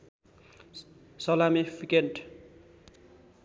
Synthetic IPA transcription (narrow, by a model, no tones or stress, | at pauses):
sʌlamifʰikenʈ